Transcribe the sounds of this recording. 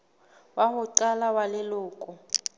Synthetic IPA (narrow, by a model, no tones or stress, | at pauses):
wahʊǀalawalɪlʊːkʼʊ